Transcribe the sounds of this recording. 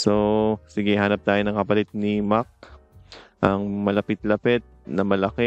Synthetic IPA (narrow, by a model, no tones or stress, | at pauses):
sosɪɡɛhaːnɐp̚t̪aːjonɐŋkɐpɐlɪt̪̚nimak̚ | ʔɐŋmɐlɐpɪt̪̚lɐpɛt̪̚nɐmɐlɐkɛ